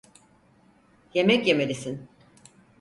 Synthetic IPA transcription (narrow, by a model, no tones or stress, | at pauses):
je̞mɛcjemelʲisin